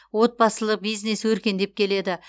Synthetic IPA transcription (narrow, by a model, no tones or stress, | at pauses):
wo̞t̪̚bɑsəlˠəqbijzne̞swɵɾkʲe̞nd̪e̞p̚kʲʰe̞le̞d̪ɪ